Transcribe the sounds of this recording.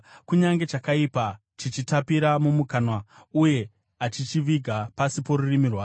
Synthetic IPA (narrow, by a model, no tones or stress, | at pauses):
kuɲaŋɡe̞t͡ʃakaipa | t͡ʃit͡ʃitapiɾamumukanwauje̞ | at͡ʃit͡ʃiʋiɡʱapasipo̞ɾurimirwaː